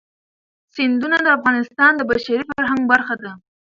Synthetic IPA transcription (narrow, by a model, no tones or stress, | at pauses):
sɪnd̪unad̪əafɣɑnɪst̪ɑnd̪əbaʃaɾifaɾɦaŋɡbaɾxad̪a